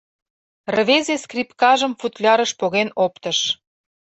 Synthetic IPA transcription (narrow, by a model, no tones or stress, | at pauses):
rəβezeskrʲipkɑʒə̆mfut̪lʲɑɾə̆ʃpoɣenopt̪ə̆ʃ